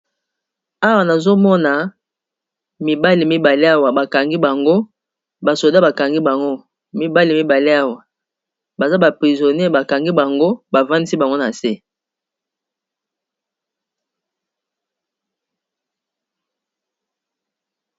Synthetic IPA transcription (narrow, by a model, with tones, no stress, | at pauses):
a˦wa˨na˨zo˦mɔ˦na˨ | mi˨ba˦li˨mi˦ba˨li˦a˦wa˨ba˨ka˨ŋɡi˦ba˨ŋɡo˦ | ba˨so˨da˦ba˨ka˨ŋɡi˦ba˨ŋɡo˦ | mi˨ba˦li˨mi˦ba˨li˦a˦wa˨ | ba˨za˦ba˨pʁi˨zo˨ne˦˨ba˨ka˨ŋɡi˦ba˨ŋɡo˦ba˨va˦ndi˦si˦ba˨ŋɡo˦na˨se˦